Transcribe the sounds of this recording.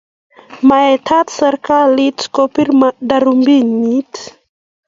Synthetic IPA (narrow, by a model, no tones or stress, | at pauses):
maɛt̪ʰat̪saɾkalit̪kopiɾmdaɾumbinːit̪